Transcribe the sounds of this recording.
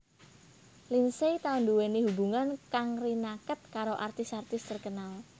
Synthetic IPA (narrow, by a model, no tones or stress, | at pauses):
linset̪aʊnduweniɦubuŋankaŋrinakət̪̚kaɾoʔart̪ɪsart̪ɪst̪ərkənal